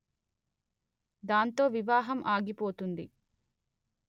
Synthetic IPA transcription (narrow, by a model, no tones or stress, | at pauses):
d̪aːnt̪o̞ːʋiʋaːɦɐmʔaːɡipo̞ːt̪und̪i